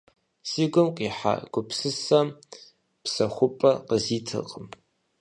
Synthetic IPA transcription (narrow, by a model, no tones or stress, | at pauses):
siːɡʷʊmqʼiːħa̰ɡ̥ʷʊpʰsɨsɐm | psɐχʷʊpʼɐqəziːtʰɨ̰qʼəm